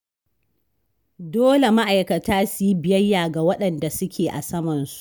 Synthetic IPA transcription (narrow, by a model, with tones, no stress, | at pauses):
doː˦le˨ma˦ʔa˨jkɐ˨taː˦si˦bɪ˨jɐ˦jːaː˨ɡa˨wɐ˦ɗɐ˨nda˨sʊ˦kʲʰeː˨ʔa̰˨sɐ˦mɐ˨nsu̥˨ʔ